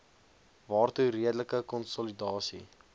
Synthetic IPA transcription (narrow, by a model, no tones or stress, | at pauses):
vɑːrturiədələkəkɔnsɔlidɑːsḭ